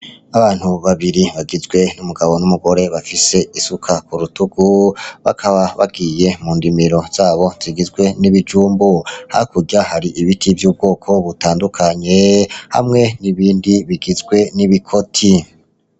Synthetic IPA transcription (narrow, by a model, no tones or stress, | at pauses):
aβaːn̥huβaβiɾiβaɡizɡwe̞numuɡaβo̞numuɡo̞ɾe̞βafise̞isukʰakuɾutuɡuβa̰kʰaβaβa̰ɡiːje̞muːndimiɾo̞z̥aːβo̞z̥iɡizɡwe̞niβid͡ʒuːmbuha̰kuɟahaɾiʔiβitʰivjuːb̚ɡo̞ːkʰo̞βutaːndukʰaɲe̞ha̰mŋe̞niβiːndiβiɡizɡwe̞niβikʰo̞tʰi